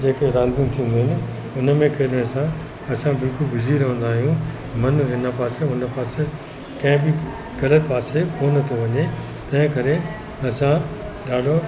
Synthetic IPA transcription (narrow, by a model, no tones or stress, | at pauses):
d͡ʑeːkeɾãːnd̪ʱijũt̪ʰĩːə̃n̆d̪iɦɪnɪ̆ | ʊnə̆mẽkʰɐɽɽ̃sã | ɐsãbɪlkʊlbʊd͡ʑʱiɾɐɦə̃nd̪aːɦijũ | mɐnɪnəpaːseʊnəpaːse | kɐ̃ɦɪ̃bɪ | ɣɐlət̪paːsekoːnɐt̪ʰoʋɐɲe | t̪ɐ̃ɦɪ̃kɐɾe | ɐsãɗaːɖʱo